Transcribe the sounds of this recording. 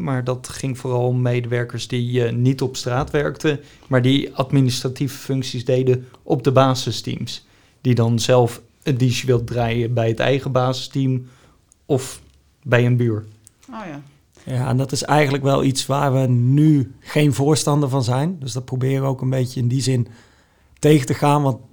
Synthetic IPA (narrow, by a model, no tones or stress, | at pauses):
maːɹdɑtχɪŋvʊːrɑlˠɔmːejdəʋɛɹkəɹszdinitɔpstraːtʋɛɹktə | maːɹdiɑdministrativəfʏŋksizdejdəʔɔb̚dəbaːzəstḭms | d̥idɑnzɛlˠf | ədizʋɪlˠdraːjəbɛjɦətɛ̰jχəbaːzɪstim | ɔf | bɛjənbyːɹ | j | jaːɛ̰ndɑtɪsɛjχənləkʋɛlˠʔitsʋaːɹʋənyχejnvʊːɹstɑndəɹvɑnzɛjndɵsdɑt̚prowbɪːɹəowkənbejcəɪndizɪn | tejətəχaːnʋɑnt